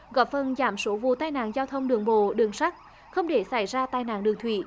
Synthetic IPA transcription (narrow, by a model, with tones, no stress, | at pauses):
ɣɔ˨˦˩p̚fə˨˩nzaː˧˩mso˨˦vṵ˧˨t̪aː˧jna̰ː˧˨nzaː˧wt̪ʰə˧wŋ͡mɗɨ˨˩əŋɓo̰˧˨ɗɨ˨˩əŋsa˦˥k̚ | xə˧wŋ͡mɗe˧˩sa˧˩jzaː˧t̪aː˧jna̰ː˧˨nɗɨ˨˩əŋt̪ʰwḭ˧˩